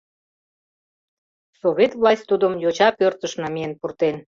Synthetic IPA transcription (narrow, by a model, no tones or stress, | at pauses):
soβʲet̪vlɑsʲt̪ːud̪əmjot͡ɕɑpørt̪əʃnɑmijenpurt̪en